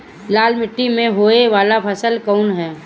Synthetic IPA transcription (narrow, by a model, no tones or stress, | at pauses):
laːlmɪʈːimẽɦoːeʋaːlapʰəsəlkɔʊnɦɛː